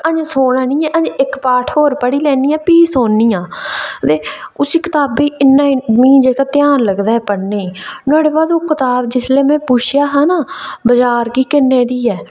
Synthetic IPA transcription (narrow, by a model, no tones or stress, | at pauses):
əɲd͡ʒsoːɽãːnĩːɛ̃ːʔəd͡ʒɪkpaːʈʰɦoːɾpəɽiːlɛːniːãːpiːsoːnːiːãːt̪eːʊsiːkɪt̪aːbiːʔɪnːãːimĩːd͡ʒeːkaːt̪ɪjaːnləɡd̪aːɛːpəɽneːiːnʊaːɽeːbaːd̪oːkɪt̪aːbd͡ʒɪsleːmɛ̃ːpʊːt͡ʃʰjaːɦaːnaːbəd͡ʒaːɾkiːkɪnːeːd̪iːɛː